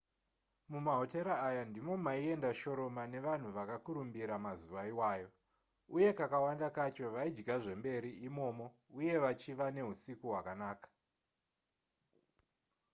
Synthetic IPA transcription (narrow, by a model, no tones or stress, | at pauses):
mumaɦo̞te̞ɾaːjandimo̞maie̞ndaʃo̞ɾo̞mane̞ʋan̤uʋakakuɾumbiɾamaziʋaiwaːjo̞ | uje̞kakawandakat͡ʃo̞ʋaid͡ʒɡaʐe̞mbe̞ɾiimo̞ːmo̞ | uje̞ʋat͡ʃiʋane̞ɦusikuɦwakanaːkḁ